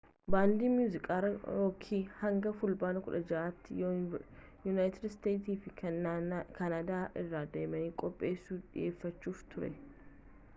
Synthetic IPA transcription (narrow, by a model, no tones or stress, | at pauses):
baːnd̪iːmjuːzɪkʼaːɾɐjoːkʰiːhɐŋɡɐfʊlbaːnɐkʊᶑɐd͡ʒɐʔaːt̪ːɪjo | jʊnaːjt̪ɪd̪st̪e̞ːt̪iːfɪ | kɐnaːd̪aːʔɪrːaːd̪e̞ːmɐniːkʼɔpʼːe̞ːsːuːᶑɪ̰je̞ːfːɐt͡ʃːuːft̪ʰʊɾɛ̰